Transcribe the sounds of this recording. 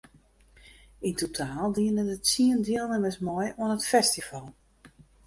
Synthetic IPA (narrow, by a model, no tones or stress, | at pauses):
intutʰaːlˠdiənədətsiəndjilˠnənʋɪsmɔjuənətfɛstifɔlˠ